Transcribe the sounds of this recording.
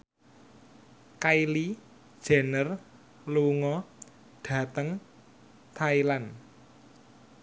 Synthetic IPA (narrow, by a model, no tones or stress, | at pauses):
kaili̥ | ʒ̥a̤nər | luŋɔ | ɖ̥ä̤t̪əŋ | t̪ʰailan